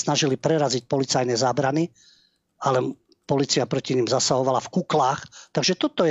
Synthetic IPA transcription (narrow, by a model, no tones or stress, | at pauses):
naʒilipɾɛɾazic̚pɔlit͡sajnɛzaːbɾani | alɛ | pɔliːt͡sijapɾɔciɲiːmzasaɦɔʋalafkuklaːxt̪aɡʒɛt̪ɔt̪ɔj